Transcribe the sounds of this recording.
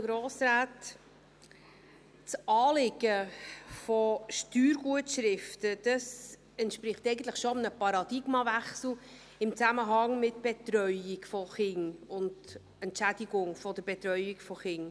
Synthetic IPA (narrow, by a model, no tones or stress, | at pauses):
ɡɾoːsɾaːt | t͡sɑːlɪɡ̥əfɔʃtyːɾɡuətʃɾɪftəd̥ɑs | ɛntʃpɾɪχtɛɪɡən̩t̪ləχʃomnəpɑɾɑd̥ɪɡmɑvæχsl̩ˠ | ɪmt͡sæməɦɑŋmɪtb̥etɾœʏiɡfɔχɪŋʊnd | ɛntʃædiɡʊŋfɔd̥əɾbɛtɾœʏikfɔχɪŋ